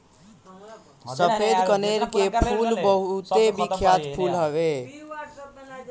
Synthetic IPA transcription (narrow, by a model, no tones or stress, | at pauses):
səpʰed̪kəneɾkepʰulbəɦt̪ebikʰjat̪pʰulɦəβe